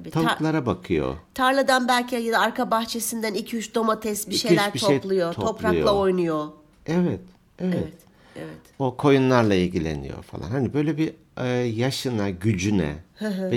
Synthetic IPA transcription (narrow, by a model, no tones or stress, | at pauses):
itʰaklˠaɾabakʰɯjo̰t̪ʰaɾlˠad̪anbælʲcʰijad̪aːɾkʰabaxt͡ʃʰe̞sind̪ænilcʰiyt͡ʃd̪o̞mat̪ʰɛst̪biʃejlʲæʃɾbiʃejplˠujotʰoo̞p̪ɾaujlˠaojnujo | ɛvɛt̪ | evɛɛt̪ | evɛokʰo̞junlˠaɾlˠailʲɟilʲḛnḭjo̞̰fa̰lˠanhanibø̞jlʲebi | ɯjaʃɯnaɟyd͡ʒynɛ̰hɯ̃ɦ